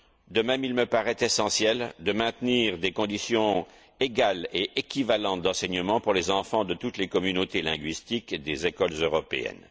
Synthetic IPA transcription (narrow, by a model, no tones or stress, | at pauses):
d̪əmɛmilməpaʁɛt̪esɑ̃sjɛld̪əmɛ̃t̪niʁd̪ekɔ̃d̪isjɔ̃ | eɡaleʔekʲivalɑ̃t̪̚d̪ɑ̃sɛɲəmɑ̃puʁlezɑ̃fɑ̃d̪ət̪ut̪lekɔmynot̪elɛ̃ɡɥist̪ikd̪ezekɔlzøʁɔpḛɛ̰n